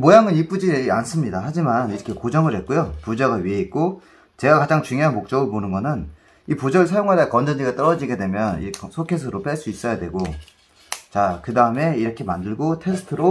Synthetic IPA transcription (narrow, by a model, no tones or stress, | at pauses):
mojaŋɯnip͈ud͡ʑians͈ɯmɲidaɦad͡ʑimaniɾʌkʰe̞kod͡ʑʌŋɯɭɦe̞t̚k͈ojopud͡ʑʌɡaɥiɦeit̚k͈o | t͡ɕe̞ɡakad͡ʑaŋt͡ɕuŋjoɦanmok̚t͡ɕ͈ʌɡɯɾponɯnɡʌnɯn | ipod͡ʑʌɡɯɭsʰajoŋɦadaakʌnd͡ʑʌnd͡ʑiɡat͈ʌɾʌd͡ʑiɡe̞dwe̞mjʌnḭsʰokʰes̬ʰɯɾop͈eɭs͈uis͈ʌjadwe̞ɡo | t͡ɕakɯdaɯme̞iɾʌkʰe̞mandɯɭɡotʰe̞sʰɯ̥tʰɯɾo